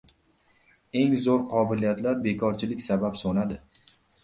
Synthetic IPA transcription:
e̞ŋzoɾqʰɒbɪlijat̪laɾbe̞kʰɒɾt͡ʃʰɪlɪkʲsabapsonad̪ɪ

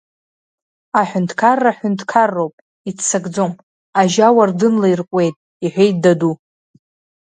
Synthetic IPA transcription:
aħʷᶣʊntʰʼkʰarːaħʊntʰʼkʰarːo̞wpʼ | itʰt͡saɡd͡zom | aʒawardɨnlairkʷʼe̞jtʼ | iħʷᶣejt̚ʰʼdadu

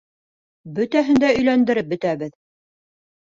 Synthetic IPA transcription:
bɵ̆t̪æɦɘ̆nd̪æɵ̆jlænd̪ɘ̆ɾɘp̚bɵ̆t̪æβɘð

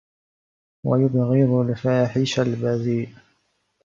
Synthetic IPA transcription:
wa̰jʊb̪ɣiːðˤʊlfaːħɪʃalbaziːʔ

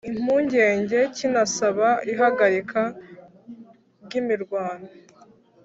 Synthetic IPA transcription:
im̥uːɲɟe̞ːɲɟe̞cinasaβaiɦaɡaɾikʰa | ɾɟimiɾɡwaːnda

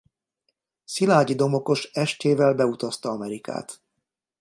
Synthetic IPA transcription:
silaːɟid̪o̞mo̞ko̞ʃɛʃt̪eːvɛlbɛut̪ɒst̪ɒɒmɛɾika̰ːt̪

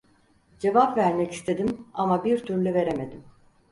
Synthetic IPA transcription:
d͡ʒe̞vapvæɾmɛci̥st̪ʰe̞d̪imamabiɾt̪ʰyɾlʲyve̞ɾe̞me̞d̪im

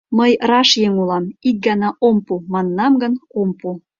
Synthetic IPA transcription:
məjrɑʃjeŋulˠɑmik̚ɡɑnɑʔompumɑnːɑmɡə̆nompu

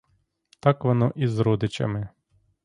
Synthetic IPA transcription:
t̪ɑkʋɔnɔʔizɾɔd̪ɪt͡ʃɐ̰mɪ

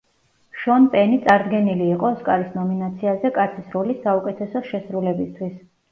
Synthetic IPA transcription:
ʃɔnpʼɛnit̪sʼaɾd̪ɡɛniliːqʼɔskʼaɾisnɔminat̪sʰiazɛkʼat̪sʰisɾɔlisːaukʼɛt̪ʰɛsɔʃɛsɾulɛbist̪ʰwis

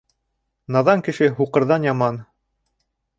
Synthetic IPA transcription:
nɑðɑŋkɘ̆ʃɘɦuqɤ̆ɾðɑnjɑmɑn

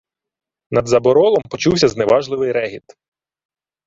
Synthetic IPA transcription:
nɐd̪zɐbɔɾɔlˠɔmpɔt͡ʃuwsʲɐznɛʋɑʒlˠɪʋɪjɾɛɦʲit̪

